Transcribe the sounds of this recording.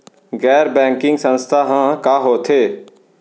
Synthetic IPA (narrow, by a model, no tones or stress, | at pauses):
ɡɛːɾbɛ̃ːŋkɪ̃ŋɡsə̃nst̪ʰaːɦãːkaːɦoːt̪ʰeː